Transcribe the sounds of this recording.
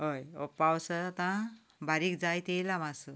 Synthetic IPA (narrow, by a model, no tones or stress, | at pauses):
ɦəjɔ̰pawsəat̪ã | baɾikd͡zajt̪ejlamasə